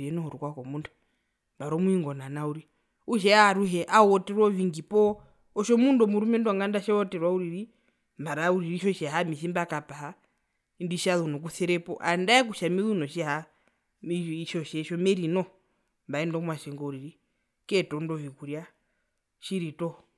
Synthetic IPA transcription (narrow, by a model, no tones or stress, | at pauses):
iɛnɔhɔɾukwakɔmundu̥ | mbaɾɔmuiŋɡɔnanauɾi | uʃ̬ɛaaɾuɦɛʔaɔtɛɾwɔviŋɡipɔ | ɔʃɔmundɔmuɾumɛndɔŋɡandaʃɛɔtɛɾwauɾiɾi | mbaɾauɾiɾiʃɔʃɛɦamiθimbakapaa | indiʃaðunɔk̬uθɛɾɛpɔ̰ʔandaɛk̬uʃamiðunɔʃɛɦa | iʃɔʃɛʃɔmɛɾinɔ | mbaɛndɔmwaʃɛŋɡɔuɾiɾi | kɛtɔndɔvikuɾia | ʃiɾitɔ